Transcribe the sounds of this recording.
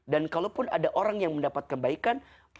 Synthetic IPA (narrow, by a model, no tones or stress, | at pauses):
dankalopʊnadaʔoɾaŋjaŋməndapat̪̚kənbaikan